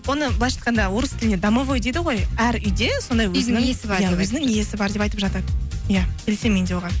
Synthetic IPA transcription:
wo̞nəblˠɑjʃɑ̥t̪qɑnd̪ɑwoɾəskʲɪlɪned̪ɑmovojd̪ejd̪ɪʁo̞jæɾʏjd̪e̞so̞nd̪ɑjwɵzɪnɪŋesɪbɾjwɵzɪnɪŋije̞sɪbɑɾd̪e̞pɑjt̪əpʒɑt̪ɑt̪jakʲʰelʲesemːed̪ʲewoʁɑn

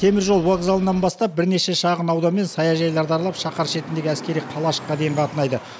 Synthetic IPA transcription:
t̪ʰe̞mɪɾʒo̞lˠwoɡzalˠənːɑnbɑst̪ɑp̚bɪɾne̞ʃe̞ʃɑʁənɑwd̪ɑnme̞nsɑjɑʒɑjlˠɑɾd̪ɑɾlˠɑpʃɑqɑɾʃe̞t̪ɪnd̪e̞ɡʲɪæskʲe̞ɾijqʰɑlˠɑʃə̥qqːɑd̪e̞jɴqʰɑt̪ənɑjd̪ə

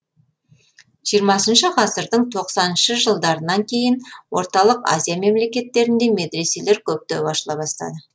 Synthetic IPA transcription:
ʒ̥ijəɾmɑsənʃəqʰɑsəɾd̪əɴt̪ʰo̞qsɑnənʃəʒəlˠd̪ɑɾənɑŋkʲʰe̞jɪnwo̞̰ɾt̪ɑlˠəqa̰zʲijame̞mle̞kʲe̞t̪ːe̞ɾɪnd̪e̞me̞d̪ɾe̞se̞le̞ɾkʲʰɵp̚t̪ebɑʃəlˠɑbɑst̪ɑ̰d̪ə

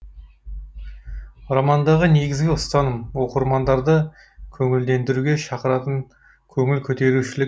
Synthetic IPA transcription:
ɾɑmɑnd̪ɑʁəne̞ɡʲɪzɡʲɪʊst̪ɑnəmwo̞qəɾmɑnd̪ɑɾd̪ə | kʲʰɵŋɪld̪e̞nd̪ɪɾuɡʲe̞ʃɑqəɾɑt̪əŋ | kʲʰɵŋʲɪlkʲʰɵt̪e̞ɾuʃɪlɪk

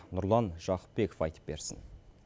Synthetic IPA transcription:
nʊɾlˠɑnʒɑqə̥p̚be̞ko̥fɑjt̪ə̥p̚be̞ɾsɪ̰n

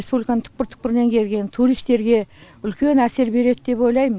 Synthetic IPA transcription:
spublikanəɴt̪ʰʊ̥q̚pəɾt̪ʰʊ̥q̚pɪɾɪne̞ŋkʲʰe̞lɡʲe̞nt̪ʰuɾijst̪e̞ɾɡʲe̞ | ʏlkʲe̞næse̞ɾbe̞ɾe̞d̪d̪e̞po̞jlˠɑjmə

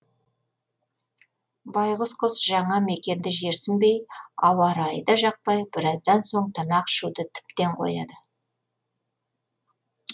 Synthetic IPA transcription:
bɑjʁəzqʰəzʒɑɴɑme̞kʲe̞nd̪ɪʒe̞ɾsɪmbe̞jɑwɑɾɑjd̪ɑʒɑq̚pɑjbɪɾɑzd̪ɑnso̞ɴt̪ʰɑmɑqʃud̪ət̪ʰɪ̥pt̪e̞ɴqʰo̞̰jɑd̪ə

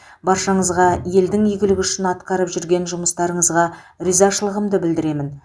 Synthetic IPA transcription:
bɑɾʃɑɴəzʁɑje̞ld̪ɪŋʏjɡʲɪlɪɡʲʏʃɪnɑt̪qɑɾəpʒʏɾɡʲe̞nʒʊməst̪ɑɾəɴəzʁɑ | ɾizɑʃəlˠəʁəmd̪əbɪld̪ɪɾe̞mɪn

